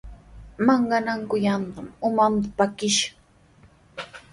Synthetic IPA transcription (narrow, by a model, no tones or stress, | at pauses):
maɴɢɑnaŋkʊjant̪amʊmant̪ḁpakɪʃḁŋ